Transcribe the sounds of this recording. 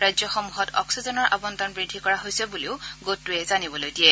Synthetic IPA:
ɹajzjɔxɔmuɦɔtʰɔ̰ksizɔnɔɹʔa̰bɔntɔnbɹidʱːikɔɹaɦojsɛbuliʊɡotːuɛzanibɔlojdiɛ

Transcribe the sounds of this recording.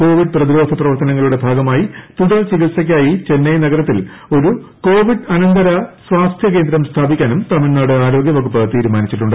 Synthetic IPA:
ko̞ːʋiɖ̚prɐðiɾo̞ːd̪ʱɐprɐʋɐrt̪ɐnɐŋːɐɭuɽe̞bʱaːɡɐmaːjit̪uðɐlt͡ɕiɡilsɐk̬ʲːaːjit͡ɕe̞nːɐjnɐɡɐɾɐt̪ːil | o̞ɾuko̞ːʋiɖɐnɐnd̪ɐɾɐsʋaːst̪ʰjɐk̬e̞ːnd̪ɾɐmst̪ʰaːbikʲːaːnumt̪ɐmɐɾnaːɽɨaːɾo̞ːɡjɐʋɐɡupːɨt̪iːɾumaːnit͡ɕːiʈːuɳɖɨ

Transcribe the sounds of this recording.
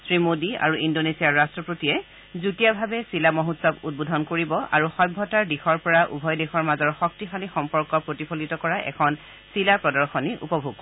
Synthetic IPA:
sɹimodia̰ɹuʔindonesiaɹɹastɹɔpɹotijɛ | zutijabʱabɛsilamɔɦutsɔbut̚bodʱɔnkoɹibɔʔa̰ɹuxɔjbʱɔtaɹdixɔɹpɔɹaʔṵbʱɔjdexɔɹmazɔɹxɔk̚tixalixɔmpɔɹkɔpɹotipʰolitɔkɔɹaʔɛ̰kʰɔn | silapɹɔdɔɹxɔniʔṵpɔbʱuɡ

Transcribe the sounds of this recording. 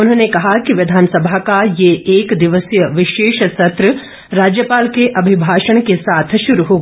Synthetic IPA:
ʊnɦnekɐɦakiʋɪd̪ʱaːnsəbʱakajeeːkd̪ɪʋəsjəʋɪʃeːʃsɐt̪ɾə | ɾaːd͡ʒjəpaːlkeʔɐbʱɪbʱaːʃəɽ̃kesaːt̪ʰʃʊɾuɦoːɡa

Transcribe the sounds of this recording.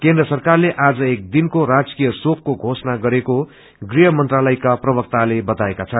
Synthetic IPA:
kẽnd̪rʌsʌrkarleʔad͡zʌek̚d̪inkorad͡zkijʌsokːoɡʱosʌnaɡʌɾeko | ɡriɦʌmʌnt̪ralʌjkaprʌbʌk̚t̪alebʌt̪aekat͡sʰʌn

